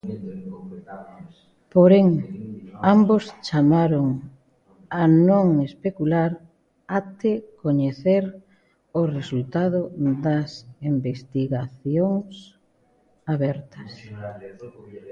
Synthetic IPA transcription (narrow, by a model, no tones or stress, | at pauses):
poɾeŋ | ambost͡ʃamaɾoŋ | anõŋespekulaɾ | at̪ekoɲeθeɾ | oresult̪að̞ʊd̪ɐsimbest̪iɣaθjoŋs | aβɛɾt̪ɐs